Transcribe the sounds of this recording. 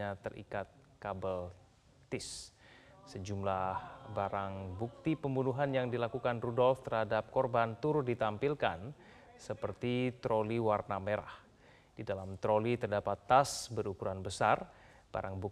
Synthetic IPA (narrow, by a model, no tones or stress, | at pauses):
at̪ərʔḭkat̪̚kabəl | t̪ɪsː | əd͡ʒumlahbaɾaŋbuk̚t̪ipəmbunuɦanjaŋdilakukanrudɔlft̪ərhadap̚kɔrbant̪urdit̪ampilkan | səpərt̪it̪ɾoliwarnameɾa̰h | d̥idalamt̪ɾolit̪ərdapat̪ːasbəɾukuɾanbəsar | b̥a̰ɾaŋbu